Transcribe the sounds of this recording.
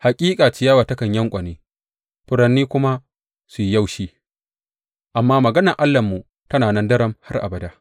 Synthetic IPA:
ha˨kʲʼiː˦kʼaː˨t͡ʃɪ˨jaː˦waː˨tɐ˦kɐ˨ɲjɐ˦ŋkʷʼɐ˨neː˦ | ɸʊ˦ɽɐ˨nːiː˦kʷʊ˦ma˦ | su˨ji˦ja˦˨wʃiː˦ | ʔa˨mːaː˦mɐ˨ɡɐ˦nɐ˨ʔa˦lːɐ˨mːu˨ | tɐ˦naː˨nɐ˦ndɐ˦ɾɐ˨mha˦rʔa̰˨bɐ˨daː˦

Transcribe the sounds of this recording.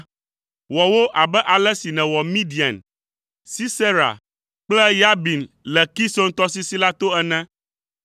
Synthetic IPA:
wɔ˨wo˦ʔa˨bɛ˦ʔa˨lɛ˦si˨nɛ̃˨wɔ˨mĩ˦di˨a̰˨n | si˦se˦ɾa̰˨ | k͡plɛ˦ja˦bi˨n | lɛ˨ki˦so˦ŋ˦t̪ɔ˦si˦si˦la˦t̪o˦ɛ˦nɛ̃˦

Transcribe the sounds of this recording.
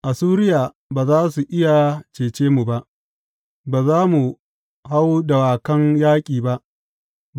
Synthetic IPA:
ʔa˨suː˦ɾɪ˦jaː˨ | baː˨zaː˦su˨ʔɪ˦ja˨t͡ʃeː˨t͡ʃeː˦mu˨ba˦ʔ | baː˨zaː˦mu˨ | ɦa˦wdɐ˨waː˨kɐ˦ŋjaː˦kʲʼiː˨ba˦ʔ

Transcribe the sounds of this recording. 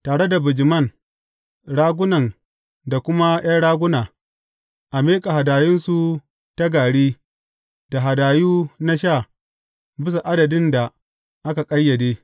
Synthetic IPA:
taː˨ɽe˦da˨bɪ˨d͡ʒɪ˨mɐ˦˨n | ɽaː˦ɡʷʊ˦nɐ˨n | da˨kʷʊ˦ma˦j̰a˦ɽaː˦ɡʷʊ˦naː˨ | ʔa˨meː˦kʼa˨ɦa˨daː˨jɪ˦nsu˨ | ta˦ɡaː˨ɽeː˦ | da˨ɦa˨daː˨juː˦na˦ʃa˦˨ | bɪ˦sa˨ʔa˦dɐ˨dɪ˦nda˨ | ʔa˦ka˨kʼɐ˦jːɐ˨deː˦

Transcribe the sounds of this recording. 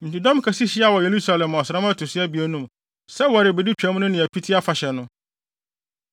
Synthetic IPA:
m̩˨ti˨dɔ̃˦m˦kʰa˨si˦ɕɪ˦a˦wɔ˨je˨ɾu˦sa˨lɛ̃˨mɔ˨sɾã˦m˦a˦tʰʊ˨sɪ˦æ˦bi˨æ˦nũ˦m | sɛ˦wɔ˨ɾɪ˨be˨di˦t͡ɕᶣa˨˦mʊ̃˦nʊ̃˦nɪ̃˨æ˨pʰi˦tʰi˦a˦fa˨ɕɛ˨nʊ̃˦

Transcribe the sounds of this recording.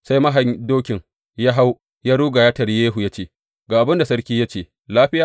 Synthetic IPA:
sa˦jmɐ˦ɦa˨ɲdoː˦kʲɪ˨ŋ | ja˦ɦa˦w | jaː˦ɽuː˦ɡa˨jaː˦tɐ˨ɾjeː˦ɦu˨ja˦t͡ʃeː˦ | ɡaː˨ʔa˨bɪ˦nda˨sɐ˦ɽkʲiː˦ja˦t͡ʃeː˦˨ | laː˦ɸɪ˦jaː˨

